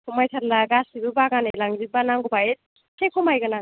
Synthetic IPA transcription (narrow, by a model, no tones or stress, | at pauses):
kʰɔmajtʰaɾlaɡasibɯbaɡanalaŋzibanaŋɡubajet̚ | kʰekʰɔmajɡanaŋ